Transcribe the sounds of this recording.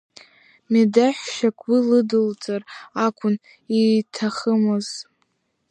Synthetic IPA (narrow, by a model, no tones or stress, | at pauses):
midaħʷʃakʷʰʼwilɨdɨlt͡sʼarakʷʰʼʊn | itʰaχəmɨz̥